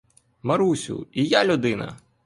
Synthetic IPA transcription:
mɐɾusʲʊ̰ijalʲʊd̪ɪnɐ̰

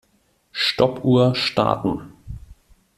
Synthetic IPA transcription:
ʃtɔpʰuːɐʃta̰ːtn̩

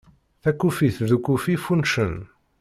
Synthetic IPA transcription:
θækːufiθðukːufifunʃən

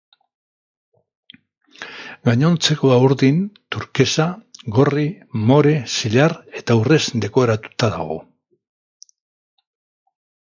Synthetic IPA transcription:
ɡaɲo̞nt͡se̞ko̞auɾðint̪uɾke̞saɣo̞ri | mo̞ɾesiʎare̞t̪aure̞sd̪e̞ko̞eɾat̪u̥t̪aða̰ɣ̞o̞̰

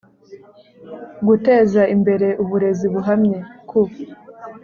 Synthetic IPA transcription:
ɡute̞ːzaimbe̞ɾe̞ʔuβuɾe̞ziβuɦamɲekʰu

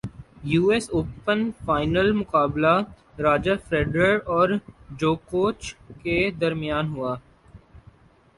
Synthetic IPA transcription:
juːɛsoːpənfaːɪnəlmʊkaːbla | ɾaːd͡ʒəɾfɾeːɖɾəɽɔːɾd͡ʒoːkoːt͡ʃked̪ɐɾmɪjaːnɦʊaː

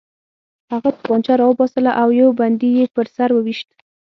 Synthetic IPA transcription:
haɣat̪əbɑnt͡ʃaɾɑwəbɑsəlaʔawjawband̪ijepəɾsaɾwəwiʃt̪̚

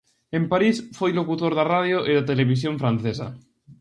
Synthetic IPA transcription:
ẽmpaɾisfojlokut̪oɾðarað̞joʔeðat̪eleβ̞is̬joɱfɾãnθesa̰

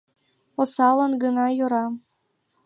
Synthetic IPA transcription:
osɑlɤ̆nɡɤnɑjoɾɑ

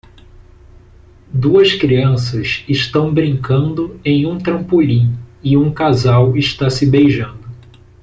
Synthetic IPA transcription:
d̪uɐskɾiɐ̃sɐzɪʃt̪ɐ̃w̃bɾĩŋkɐ̃nd̪ʊẽj̃ũt̪ɾɐ̃mpuʎĩɪũkazawɪʃt̪asɪbejʒɐ̃nd̪ʊ

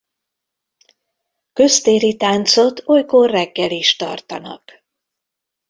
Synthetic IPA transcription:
kø̞st̪eːɾit̪aːnt̪so̞t̪ʰo̞jkorːɛɡːɛliʃt̪ɒ̰rt̪ɒ̰nɒ̰k

